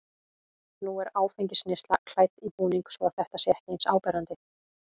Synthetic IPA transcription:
nuɛɾaːwfeɲcɪsnɪst̪lakʰl̥ajt̪ipuːniŋksvɔaθɛht̪asjɛhcejnsaːwpɛɾant̪ɪ

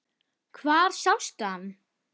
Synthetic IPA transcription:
kʰvaːɾ̥sawst̪aan

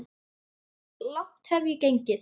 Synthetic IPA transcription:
lɔht̪hɛvjʏcejɲcɪθ

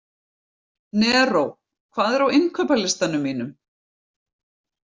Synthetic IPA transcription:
nɛːrow | kʰvaːðɛɾawɪŋkʰœːpalɪst̪anʏmːiːnʏm

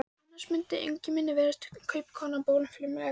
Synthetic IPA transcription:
annːansmʏnt̪ɪʔḛjɲcɪmɪnːɪvɛːɾast̪ɪ̥kʰœɥpkʰɔːnapoːwlʏmflɪmɛ

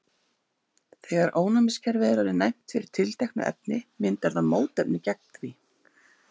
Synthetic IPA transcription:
θɛːɣaɾʔoːwnamɪscʰɛɾvɛðɾaɾɪnajm̥t̪fɪɾɪɾ̥t̪ʰɪlt̪ajknʏ̰ʔɛ̰p̚nɪmɪnt̪vɛɾðaðmoːwt̪ɛpnɪcɛk̚nt̪vi

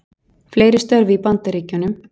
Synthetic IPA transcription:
fleːjɾɪ̥st̪œɾvipant̪aɾiːcʏnʏm

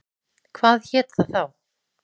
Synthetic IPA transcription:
kʰvaːðçɛːt̪θaθaw

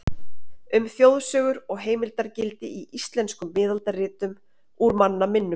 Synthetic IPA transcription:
ʏmθjowðsœːɣʏɾɔɣɦeːjmɪlt̪aɾcɪlt̪ɪiʔist̪lɛnskʏmːɪːðalt̪arɪːt̪ʏm | uɾmanːamɪnːʏ

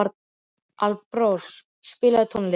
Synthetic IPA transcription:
aɾt̪ | alpɾɔs | spɪːlat̪ʰɔnle

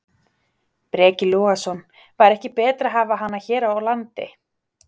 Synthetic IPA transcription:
pɾɛːcɪluːasɔn | vajɾɛhcɪpɛːt̪ɾaɦaːvaɦanːaçɛːɾaawlant̪ɪ̰

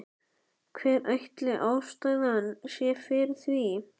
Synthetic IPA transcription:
kʰvɛːɾajht̪lɪʔaːwst̪aːɥɣaanːsjɛ̥fɪɾɪθvi

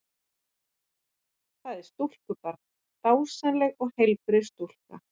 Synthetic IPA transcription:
θaðɪɾ̥st̪ul̥kʏpaɾt̪ | t̪aːwsanlɛɣɔɣhejlpɾɪst̪ul̥ka̰

